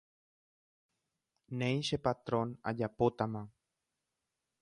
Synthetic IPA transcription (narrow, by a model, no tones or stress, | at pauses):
nẽjʃepat̪ɾona̰ʎapot̪amã